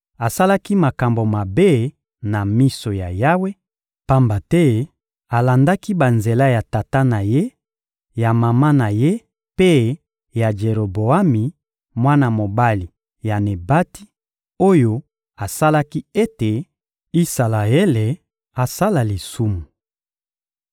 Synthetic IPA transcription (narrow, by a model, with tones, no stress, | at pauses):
a˨sa˦la˦ki˦ma˨ka˨mbo˨ma˨be˦ | na˨mi˦so˨ja˨ja˦we˦ | pa˦mba˨tɛ˦ | a˨la˨nda˦ki˦ba˨nze˨la˦ja˨ta˨ta˦na˨je˦ | ja˨ma˨ma˦na˨je˦ | pe˦ | ja˨d͡ʒe˨ʁo˨bo˨a˦mi˨ | mwa˦na˨mo˨ba˦li˨ | ja˨ne˨ba˦ti˦ | o˦jo˦ | a˨sa˦la˦ki˦e˦te˨ | i˦sa˨la˨e˦le˨ | a˨sa˦la˨li˨su˦mu˨